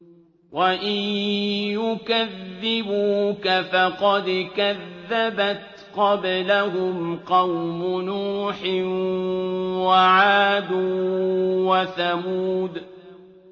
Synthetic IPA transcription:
wʔaʔɪ | jʊkaðːɪbuːkafɑqɑd̪kaðːabat̪ | qɑblaɦʊmqɑwmʊnuːħɪn | waʕaːd̪uː | waθamuːd̪

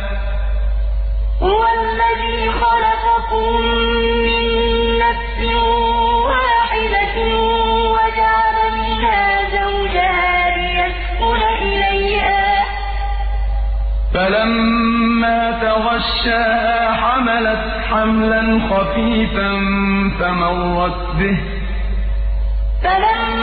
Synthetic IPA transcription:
hʊwalːaðiːxɑlɑqɑkʊmː | ɪnːafsɪwaːħɪd̪a | wad͡ʒaʕalat̪ɪhaːzawd͡ʒahalɪjasqʊnʔɪlajhaː | falamː | aːt̪aɣɑʃːaːhaːħamalat̪ | ħamlanxɑfiːfanfamɑrˤːɑt̪̚bɪh | falam

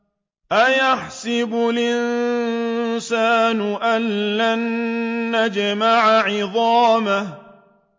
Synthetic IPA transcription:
ʔajaħsɪbʊlʔɪn | saːnʊʔanlanː | ad͡ʒmaʕaʕɪðˤɑːmah

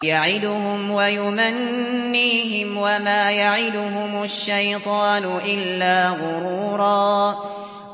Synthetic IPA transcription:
jaʕɪd̪ʊɦʊmwajʊmanː | iːɦɪmwamaːjaʕɪd̪ʊɦʊmʊʃːajt̪ˤɑːnʊʔɪlːaːɣʊɾuːɾˤɑː

